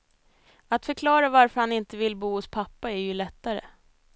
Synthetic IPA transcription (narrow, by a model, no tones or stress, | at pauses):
at̪fœɾkʰlɑːɾavaɾfœɾhanɪnt̪əvɪlbuːhʊspʰapːaæɾjɵlɛt̪ːaɾə̰